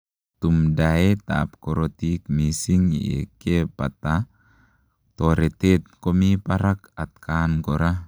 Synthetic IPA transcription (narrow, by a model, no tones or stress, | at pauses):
t̪umdaet̪a̰ːp̚koɾot̪ik̚misiŋḭḛkepat̪a | t̪oɾet̪et̪̚komipaɾakat̪̚kʰankoɾa